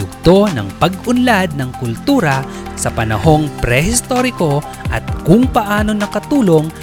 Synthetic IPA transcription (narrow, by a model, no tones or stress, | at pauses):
ʊɡ̚t̪o̞nɐ̰ŋpɐɡʔʊnlad̪̚nɐŋkʊlt̪uːɾɐ | sɐpɐnɐho̞ŋpɾɛhɪst̪oɾɪko̞ | ʔɐt̪̚kʊŋpɐʔaːno̞nɐkɐt̪uːlo̞ŋ